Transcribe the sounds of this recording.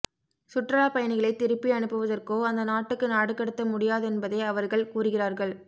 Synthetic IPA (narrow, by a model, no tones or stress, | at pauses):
sʊʈrɐɭaːpɐjɐnɪɣɐɭɐɪt̪ːɪɾɯpːiɐɳɯpːɯʋɐðɐrkoːɐnd̪ɐnaːʈːɯkːɯnaːɽɯkːɐɽɯt̪ːɐmʊɽɪjaːðɛnbɐðeːɐʋɐɾɣɐɭkuːrɯɣɪraːɾɣɐɭ